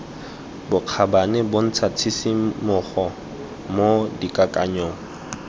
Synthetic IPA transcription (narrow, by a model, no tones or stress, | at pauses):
bʊq͡χʰabanɛbon̩t͡sʰat͡sʰisimʊχɔ | modikʼakʼaɲɔːŋ̩